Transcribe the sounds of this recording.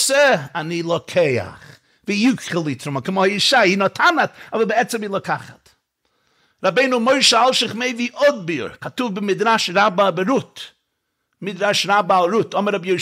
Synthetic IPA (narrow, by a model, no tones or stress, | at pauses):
səanilˠɔkʰeɪa̰χ | vijukχəlˠitɾʊmakɪmɔjɪʃainɔtʰanatavəbɪɛt͡sɛmilˠɔkʰaχat | ɾabeɪnumoɪʃəalˠʃɪχmeɪviʔɔd̚biʊ̰ɾkatuvbɪmɪdɾaʃɾababɪɾʊt | mɪd̪ɾaʃɾabalˠɾʊtɔməɾabjoɪ